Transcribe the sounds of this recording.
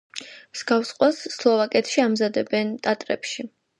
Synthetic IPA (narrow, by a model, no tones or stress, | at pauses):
msɡafsqʼwasːlˠɔvakʼɛt̪ʰʃiamzad̪ɛbɛnt̪ʼat̪ʼɾɛ̰pʃi